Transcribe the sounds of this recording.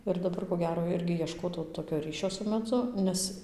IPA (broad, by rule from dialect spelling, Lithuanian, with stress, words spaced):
ɪr dɐˈbɐr koː ˈɡʲæːroː ˈɪrʲɡʲɪ iɛˈʃkoːtɐʊ toːkʲoː ˈrʲiːʃʲoː sʊ mʲɛˈd͡zʊ ˈnʲɛs